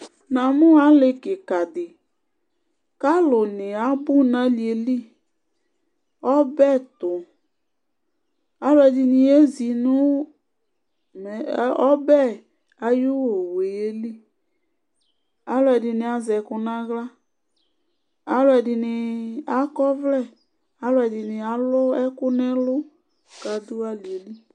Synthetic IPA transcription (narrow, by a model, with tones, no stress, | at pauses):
nã˨mʊ˦a˦lɪ˦kɪ˨ka˨d̪ɪ˨ | ka˦lʊ˨nɪ˨a˦bʊ˦nã˦li˨e˨li˦˨ | ɔ˦bɛ˦˨t̪ʊ˨ | a˨˦lʊ˦ɛ˨dɪ˨nɪ˨e˦zi˨nʊ˦ | mɛ˨˦ɔ˦bɛ˦ | a˨jʊ˦wo˨we˨je˦li˦ | a˦lʊ˦ɛ˨dɪ˨nɪ̃˨a˨zɛ˨kʊ˨nã˦ɣla˦ | a˦lʊ˦ɛ˨dɪ˨nɪ˨a˦kɔ˦vlɛ˦˨ | a˨˦lʊ˦ɛ˨dɪ˨nɪ˨a˨˦lʊ˦ɛ˦kʊ˦nɛ˦lʊ˦ | ka˨d̪ʊ˦a˦li˨e˨li˦